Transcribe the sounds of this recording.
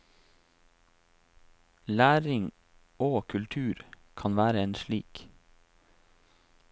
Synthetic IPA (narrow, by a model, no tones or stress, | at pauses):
læːɾɪŋ | ʔoːkʰʉlt̪ʰʉːɾ | kʰɑnʋæːɾəeːnʃɭiːk